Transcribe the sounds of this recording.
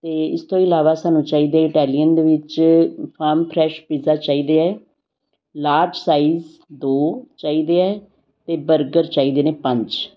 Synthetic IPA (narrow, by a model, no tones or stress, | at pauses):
t̪eːɪst̪õːɪlaːʋaːsaːnũːt͡ʃaːiːd̪eɛːɪʈɛːlijənd̪eːʋɪt͡ʃpʰaːɾmpʰɾɛːʃpiːzaːt͡ʃaːiːd̪eːɛː | laːɾd͡ʒsaːiːz | d̪oːt͡ʃaːiːd̪eːɛː | t̪eːbəɾɡəɾt͡ʃaːiːd̪eːneːpə̃ɲt͡ʃ